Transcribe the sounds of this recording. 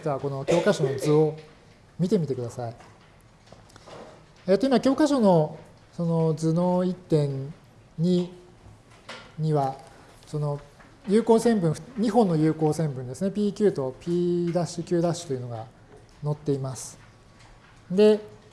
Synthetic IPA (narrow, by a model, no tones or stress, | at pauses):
tɨβako̞no̞kʲo̞ːkaɕo̞no̞d͡zɨo | mʲit̪e̞mit̪e̞kɯ̟d̪asai | eːt̪o̞i̟maakʲo̞ːkaɕo̞no̞ | so̞no̞d͡zɨnoit̪ːẽ̞ɲ | ɲi | ɲiβa | so̞no̞ | jɯ̟ːko̞ːsẽ̞mbɯ̃ɰ̃ɸɲ̟iɦõ̞nːo̞jɯ̟ːko̞ːsẽ̞mbɯ̟nd̪e̞sɨne̞pʲiːkʲɨːt̪o̞pʲiːd̪aɕɨkʲɨ̟ːd̪aɕɨ̥t̪o̞jɯ̟no̞ɡa | no̞t̪ːe̞imasɨ̥ | d̪e̞